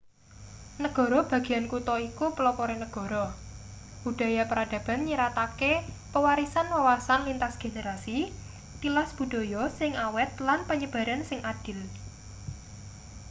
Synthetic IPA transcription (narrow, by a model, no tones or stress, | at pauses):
nəɡ̥ɔ̤ɾɔb̥a̤ɡ̥i̤ankut̪ɔikupəlɔpɔɾenəɡ̥ɔ̤ɾɔ | b̥ud̥a̤japəɾad̥ä̤b̥a̤nɲiɾat̪ake | pəwaɾisanwawasanlint̪asɡ̥eneɾasi | t̪ilasb̥ṳd̪̥ɔ̤jɔsɪŋawɛt̪̚lanpəɲəb̥a̤ɾansɪŋʔad̥ɪ̤l